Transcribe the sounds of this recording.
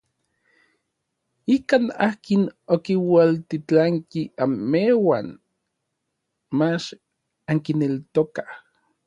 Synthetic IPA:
ikaːnaːkinokiwalt̪it͡ɬaŋkiamːewan | mat͡ʃ | aŋkinelt̪okah

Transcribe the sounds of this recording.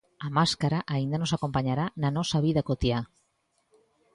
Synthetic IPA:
amaskaɾaʔaind̪anosakompaɲaɾananɔsaβiðakot̪ja

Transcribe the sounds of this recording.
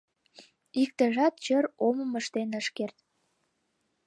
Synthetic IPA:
ik̚t̪əʒɑt̪̚t͡ɕəɾoməməʃt̪enəʃkert̪

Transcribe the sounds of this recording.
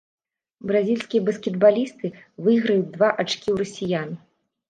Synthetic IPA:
bɾazʲilʲsʲkʲijɐbɐskʲɛd̪balʲist̪ɨvɨɣɾɐjud̪vaʔat͡ʂkʲiwɾɐsʲijan

